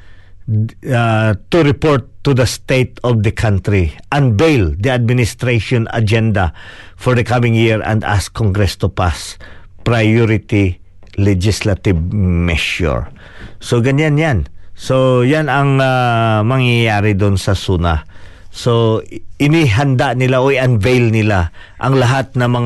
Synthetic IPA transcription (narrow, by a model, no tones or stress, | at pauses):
at̪ʊɾɪpoɹt̪ːud̪ɐst̪ejt̪ɔvd̪ɐkʰãnt̪ɾiʔɐ̃nbejld̪iad̪̚mɪnɪst̪ɾejʃɔ̃nɐ̰d͡ʒɛnd̪ɐfɔɹd̪ɐkamɪ̃ŋjiɹɛ̰̃nd̪a̰skoŋɡɾɛst̪ʊpas | pɹajɔɾɪt̪i | lɛd͡ʒɪslɐt̪ɪvmɛʃʊ̰ɹ | soɡɐɲanjansojanɐŋamɐŋjajaːɾɪd̪ʊnsɐsunasoɪniɦɐnd̪anɪlaʔoʔɪɐnvejlnɪlaʔɐŋlɐɦat̪̚nɐmɐŋ